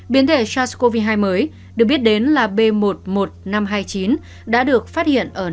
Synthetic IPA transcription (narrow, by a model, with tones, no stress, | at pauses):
ɓi˨˦ənt̪ʰe˧˩t͡ɕaː˧sko˧vi˧ɦaː˧jməː˨˦j | ɗɨ˨˩k̚ɓi˦˥ət̚ɗe˨˦nlaː˨˩ɓe˧mo˨˩t̚mo˨˩t̚na˧mɦaː˧jt͡ɕi˨˦n | ɗa̰ː˧˥ɗɨ˨˩ək̚faː˦˥t̚hḭ˧˨ənʔəː˧˩